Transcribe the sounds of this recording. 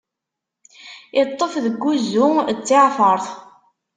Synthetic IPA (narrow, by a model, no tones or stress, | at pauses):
ɪt̪ˤːəfðəɡːuzːut͡sːɪʕfəɾˤθ